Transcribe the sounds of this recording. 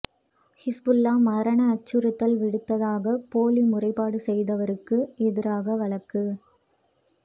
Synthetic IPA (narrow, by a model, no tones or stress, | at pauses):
hɪsbɯlːaːmɐɾɐɳɐːt͡ʃːɯɾɯt̪ːɐlʋɪɽɯt̪ːɐðaːɣɐpoːlimʊrɐɪpːaːɽɯsɛjðɐʋɐɾɯkːɯʔɛðɪɾaːɣɐʋɐɭɐkːɯ